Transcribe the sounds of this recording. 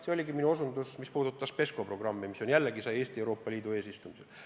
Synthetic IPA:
seo̞lʲiɡiminuosund̪usmispuːd̪ut̪ːˑɑspe̞sko̞pro̞ɡ̥rɑmːimiso̞njælːeɡisɑje̞ːst̪iewɾo̞ːpːɑlʲiːd̪ue̞ːsist̪umisel

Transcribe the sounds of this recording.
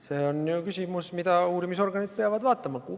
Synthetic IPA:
se̞ːo̞nːjukysʲimusmid̪̥ɑuːɾimiso̞rɡɑnid̪̚peɑvɑd̪vɑːt̪ːˑɑmɑku

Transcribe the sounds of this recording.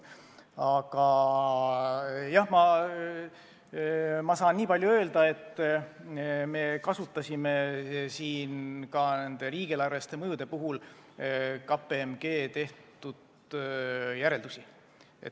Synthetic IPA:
ɑɡ̥ɑ | jɑhmɑ | mɑsɑːnːiːpɑlʲjuø̞ːld̪̥ɑe̞t̪ːˑ | me̞kɑsut̪ːˑɑsʲime̞siːnkɑnend̪̥e̞ɾiːɡ̥elɑrvest̪e̞mɤjud̪̥e̞puɦul | kɑpːeemɡ̥e̞ːt̪e̞ht̪ud̪̥ | jæɾe̞ld̪usʲi | ḛt̪

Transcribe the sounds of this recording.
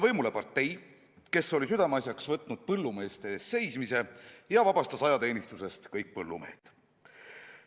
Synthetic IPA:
vɤjmule̞pɑrt̪ːˑe̞j | ke̞so̞lis̬yd̪̥ɑmɑsʲjɑksvɤt̪ˑnud̪̥̚pɤlːume̞ːst̪e̞se̞jsmise̞jɑvɑbɑst̪ɑsɑjɑt̪e̞ːnist̪use̞st̪kɤjk̚pɤlːume̞̰ːt̪

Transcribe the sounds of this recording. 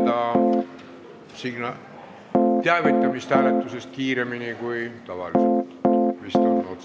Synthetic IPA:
ɑ | siɡ̥nɑ | t̪eæˑvit̪ːˑɑmist̪hæːlet̪ːˑusest̪̚kiːɾeminikujt̪ɑvɑ̰liset̪ːmist̪onːo

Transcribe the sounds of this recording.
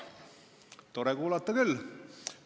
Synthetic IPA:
t̪o̞ɾekuːlɑt̪ːˑɑkylː

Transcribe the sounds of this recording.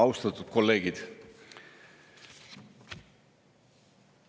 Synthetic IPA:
ɑwst̪ɑt̪ːˑud̪̥̚ko̞lːe̞ːɡ̥id̪̥

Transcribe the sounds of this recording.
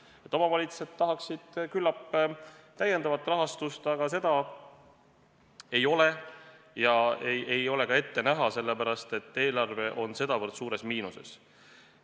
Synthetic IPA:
e̞t̪ːˑo̞mɑvɑlʲit̪su̥se̞d̪̚t̪ːɑɦɑksid̪̥kylːɑpːt̪æje̞nd̪ɑvɑt̪ːˑrɑɦɑst̪ust̪ɑɡ̥ɑse̞d̪̥ɑ | e̞jo̞le̞ | jɑeje̞jo̞le̞kɑe̞t̪ːe̞næɦɑse̞lːepæɾɑst̪e̞t̪ːe̞ːlɑrve̞ʔo̞nse̞d̪̥ɑvɤrt̪suːɾe̞smiːnuse̞̰s

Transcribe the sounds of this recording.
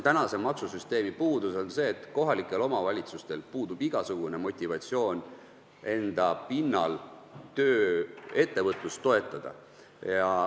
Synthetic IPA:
t̪ænɑse̞mɑksusyst̪e̞ːmipuːd̪uso̞nse̞ːt̪ˑko̞ɦɑlikːˑe̞lo̞mɑvɑlʲit̪sust̪e̞lpuːd̪ub̥iɡ̥ɑsuɡ̥une̞mo̞t̪ʲːˑivɑt̪ʲsio̞ːn | e̞nd̪̥ɑpinːɑ̰lt̪øːe̞t̪ːe̞vɤt̪ˑlust̪ːo̞e̞t̪ˑːɑd̪̥ɑ̰ | jɑ

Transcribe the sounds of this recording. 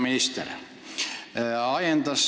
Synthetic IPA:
minist̪ḛr | ɑjend̪ɑs

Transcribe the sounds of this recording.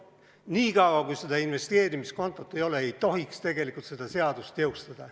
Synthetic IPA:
niːkɑwwɑkujsed̪̥ɑinve̞st̪e̞ːɾimisko̞nt̪ːˑot̪ːˑe̞jo̞leejt̪o̞ɦikst̪e̞ɡ̥e̞likult̪se̞d̪̥ɑse̞ɑd̪̥ust̪jewst̪ɑd̪̥ɑ

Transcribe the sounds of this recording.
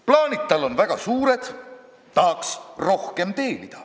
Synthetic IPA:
plɑːnʲit̪̚t̪ːɑlːo̞nvæɡ̥ɑsuːɾe̞d̪̥ | t̪ɑːksro̞hke̞mt̪e̞ːlid̪̥ɑ

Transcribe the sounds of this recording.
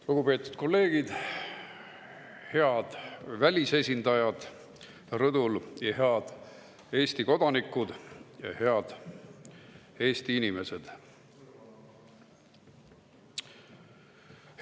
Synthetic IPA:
luɡ̥upe̞ːt̪ːˑu̥d̪̥̚ko̞lːe̞ːɡ̥id̪̥ | he̞ɑd̪̥vælʲise̞sʲind̪ɑjɑd̪̥ | rɤd̪̥uljɑheɑd̪̥ | e̞ːsʲt̪iko̞d̪ɑnikud̪̥jɑhe̞ɑd̪̥ | e̞ːst̪iinime̞se̞d̪̥

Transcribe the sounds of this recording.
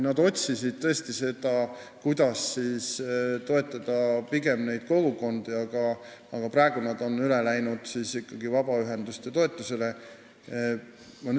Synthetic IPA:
nɑd̪o̞t̪ʲsisid̪̥̚t̪ɤ̞esʲt̪ise̞d̪̥ɑ | kujd̪̥ɑsːiːst̪o̞e̞t̪ːˑɑd̪̥ɑpiɡe̞mne̞jd̪̥̚ko̞ɡ̥uko̞nd̪̥iɑɡ̥ɑɑɡ̥ɑprɑˑe̞ɡ̥unɑd̪o̞nːyle̞læjnud̪̥siːsikːɑɡivɑb̥ɑyɦe̞nd̪ust̪e̞t̪o̞e̞t̪ˑːuse̞le̞ | mɑny

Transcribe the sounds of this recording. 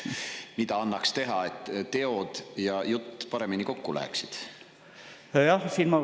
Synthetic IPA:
mid̪ɑɑnːɑkst̪e̞ɦɑe̞t̪ːt̪e̞o̞d̪̥jɑjut̪ːpɑɾe̞miniko̞kːulæ̰ḛksid̪̥ | jɑsiːnmɑ

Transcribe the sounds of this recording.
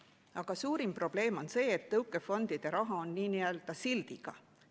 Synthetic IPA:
ɑɡ̥ɑsuːɾimpro̞b̥le̞ːmo̞nse̞ːet̪ːɤwkːˑe̞fo̞nd̪̥id̪̥e̞ɾɑɦɑonːiːniøld̪̥ɑsild̪̥iɡ̥ɑ̰

